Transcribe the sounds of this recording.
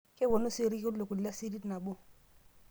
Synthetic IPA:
kʼɪ˦bɔ˨nʊ˦sɪ˨ɾi˦kʼɪ˦lo˨kʼʊ˨l̩i˨lja˦si˦di˦tna˨bʊ˦

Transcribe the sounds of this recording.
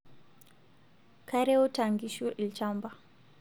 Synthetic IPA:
kʰaɾɛ˦ɔ˦ta˨ŋɡiʃu˦ʔi˨lt͡ʃamba˨

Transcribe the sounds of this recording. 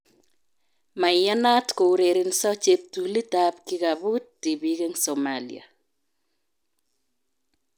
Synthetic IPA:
ma˨ja˦na˦tko˨u˨ɾe˨ɾi˨nsɔ˦t͡ʃep̚tu˨li˦tap̚ki˦ka˨βu˦tːi˨bi˨ke˦ŋsɔmalḭa̰˨

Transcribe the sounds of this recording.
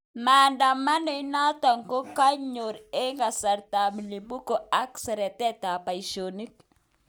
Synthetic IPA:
ma˨nda˨ma˦no˦i˦na˦ta˨ŋko˦ka˦ɲo˨ɾe˦ŋɡa˨sa˨ɾta˨mi˨li˨bu˦ko˨a˦ksɛ˨ɾɛ˨tɛ˦ta˨pa˨i˨ʃo˨ni˦k

